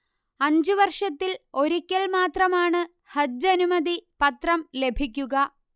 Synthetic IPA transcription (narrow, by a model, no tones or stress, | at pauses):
ɐɲd͡ʑuʋɐrʂɐt̪ːilo̞ɾikʲːɐɭmaːt̪rɐmaːɳɨ | hɐd͡ʑɐnumɐd̪ipɐt̪rɐmle̞bʱikʲːuɣɐ